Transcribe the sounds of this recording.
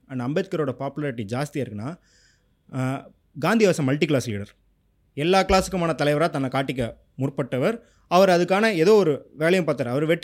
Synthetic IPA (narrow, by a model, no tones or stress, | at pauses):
ɐnd̪ɐɐmbet̪̚kɐɾoːɽɐpaːpɯlɐːɾɪʈːid͡ʒaːst̪ijaɪɾɯkːɯnːaː | ɡaːnd̪ɪjɐʋɐsɐ̃mɐlʈiklaːslḭːɽɐɾ | ɛlːaːkɪlaːsɯkːɯmaːnɐt̪ɐlɐɪʋɐɾaːt̪ɐnːɐkaːʈːɪk̬ʲːɐ | mʊrpːɐʈːɐʋɐɾ | ɐʋɐɾɐðɯkːaːnɐɛðoːɔɾɯʋeːɭɐjɐ̃mpaːɾt̪ːaːɾɐʋɐɾʋɛʈː